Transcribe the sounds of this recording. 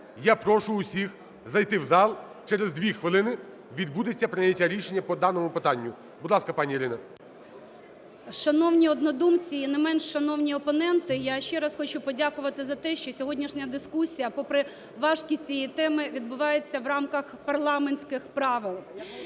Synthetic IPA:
japɾɔʃʊːsʲix | zɐjt̪ɪwzɑlˠ | t͡ʃɛɾezd̪ʋʲixʋɪlˠɪnɪ | ʋʲid̪̚bud̪ɪt͡sʲːɐpɾɪnʲɐtʲaɾʲiʃenʲːɐpɔd̪ɑnɔmʊpɪt̪ɑnʲːʊ | bʊd̪lˠɑskɐpɑnʲijiɾɪnɐ | ʃɐnɔwnʲiɔd̪nɔd̪umt͡sʲiːnɛmɛnʃːɐnɔwnʲiɔpɔnɛnt̪ɪjaʃt͡ʃɛɾɐsxɔt͡ʃupɔdʲakʊʋɐt̪ɪzɐt̪ɛʃt͡ʃɔsʲɔɦɔdʲnʲiʃnʲɐd̪ɪskusʲijɐpɔpɾɪ | ʋɑʒkʲisʲt͡sʲijit̪ɛmɪʋʲid̪bʊʋɑjet͡sʲːɐwrɑmkɐxpɐrlˠɑmenʲsʲkɪxpɾɑʋɪlˠ

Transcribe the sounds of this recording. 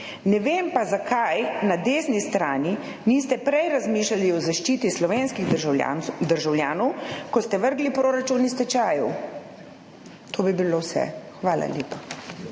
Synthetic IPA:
nɛʋeːmpazakʰajnad̪eːsnist̪ɾaːni | niːst̪ɛpɾɛjɾazmiːʃlaliɔzaʃt͡ʃiːt̪islɔʋenskiɣ̰ | d̪əɾʒawljaːnɔwkɔst̪ɛʋəɾɡlipɾoːɾat͡ʃunist̪ɛt͡ʃaːjɛw | t̪ʰoːbibilowsɛ̰xʋaːla̰ljeːpa

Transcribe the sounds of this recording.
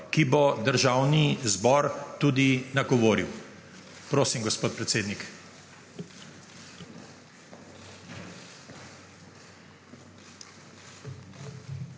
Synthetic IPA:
kibɔd̪əɾʒaːwnizbɔɾt̪uːd̪inaɡɔʋoːɾiw | pɾoːsimɡɔspoːt̪pɾɛt̪seːd̪nik

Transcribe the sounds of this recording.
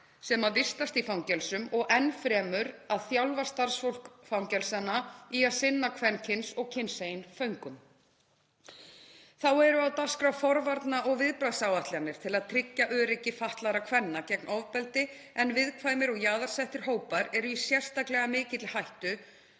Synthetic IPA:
sɛmaðvɪst̪ast̪ifawŋcɛlsʏmɔɣɛnfɾɛːmʏɾaðθjawlvast̪aɾ̥sfol̥kfawŋcɛlsanaiaðsɪnːakʰvɛncʰɪnsɔɣcʰɪnsejɪnfœɥŋkʏm | θawɛɾʏaðt̪askɾawfɔɾvaɾt̪naʔɔɣvɪðpɾajðsawaht̪lɪanːɪɾ̥t̪ʰɪlaðt̪ʰɾɪcːaʔœːɾɛcːɪfaht̪laɾakʰvɛnːacɛknʔɔvpɛlt̪ɪ | ɛnvɪðkʰvajmɪɾɔɣjaːðaɾ̥sɛht̪ɪɾ̥ɦoːwpaɾɛɾʏisjɛr̥st̪aklɛɣamɪːcɪt̪lɪhajht̪ʏ

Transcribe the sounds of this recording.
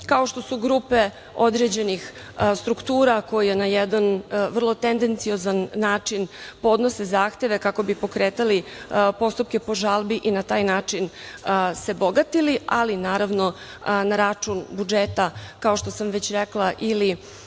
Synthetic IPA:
kao̞ʃt̪o̞suɡɾuːpe̞ | o̞d̪ɾed͡ʑe̞nix | st̪ɾukt̪uːɾako̞jijenajɛd̪anʋr̩lˠo̞t̪end̪ent̪sio̞zanːaːt͡ʂinpo̞d̪nose̞zaːxt̪e̞ʋe̞kako̞bipo̞kɾeːt̪alipo̞st̪up̚ke̞po̞ʒalˠbiʔinat̪aːjnaːt͡ʂinse̞boɡat̪ilialinaːɾaʋno̞ | naɾat͡ʂunbud͡ʒeːt̪akao̞ʃt̪o̞samʋet͡ɕɾeklˠaʔili

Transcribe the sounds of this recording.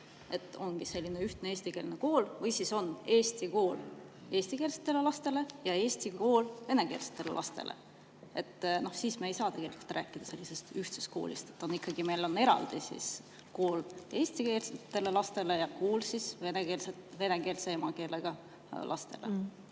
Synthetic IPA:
e̞t̪ːˑo̞ŋɡ̥ise̞lʲːine̞yht̪neeːsʲt̪ike̞ːlneko̞ːlvɤjsiso̞ne̞ːst̪iko̞ːl | e̞ːsʲt̪ike̞ːlset̪ːˑe̞lelɑst̪e̞le̞jɑe̞ːsʲt̪iko̞ːlve̞ne̞ke̞ːlse̥t̪ːˑe̞lḛlʔɑ̰st̪e̞̰lʔḛ | e̞t̪ːno̞hsiːsmɑejsɑːt̪e̞ɡ̥e̞likult̪rʔæ̰ːkːˑid̪̥ɑse̞lːise̞st̪yht̪sest̪̚ko̞̰ːlʲḭst̪et̪ːˑo̞nikːɑɡime̞jlo̞ne̞ɾɑ̰ld̪̥isḭs | ko̞ːle̞ːst̪ikeːlset̪ːe̞le̞lɑst̪e̞lejɑkoːlsisveneke̞ːlset̪ve̞neke̞ːlseemɑke̞ːleɡ̥ɑ | lʔɑ̰st̪e̞̰le

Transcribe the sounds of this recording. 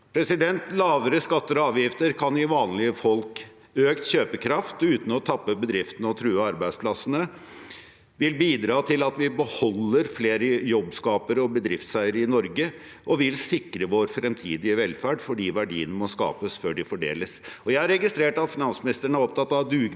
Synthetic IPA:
pʰɾɛsɪd̪ɛnt̪lɑːʋəɾəskɑt̪ːəɾɔɑːʋjɪft̪əɾkʰɑnɪʋɑːnlɪəfɔlk | øːkt̪çøːpəkʰɾɑft̪ʉːt̪n̩ɔt̪ʰɑpːəbəd̪ɾɪft̪ənəɔt̪ʰɾʉːəɑɾbæɪspʰlɑsənə | ʋɪlbiːd̪ɾɑːt̪ʰɪlɑt̪ʋɪbəhɔlːəɾfleːɾəjɔbːskɑːpəɾəɔbəd̪ɾɪft̪sæɪəɾəɪnɔɾɡə | ʔɔʋɪlsɪkɾəʋoɾfɾɛmt̪ʰiːd̪ɪəʋɛlfæɖfɔɖiːʋæɖḭːənəmɔskɑ̰ːpəsføːɖɪfɔɖḛːləsɔjæɪhɑɾɛɡɪst̪ɾeːʈɑt̪fɪnɑnsmɪnɪst̪əəɳ̩əæɾɔp̚t̪ʰɑt̪ːɑʋd̪ʉː

